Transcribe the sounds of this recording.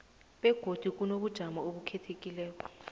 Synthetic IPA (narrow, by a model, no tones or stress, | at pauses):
ɓɛɡ̥ʱod̥ʱik̬ʼunoɓud̥ʒ̥ʱamaoɓukʰɛtʰekʼilɛːk̬ɔ